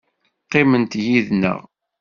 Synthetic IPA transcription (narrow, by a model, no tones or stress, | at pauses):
qːɪmənt̪jiðnə̰ʁ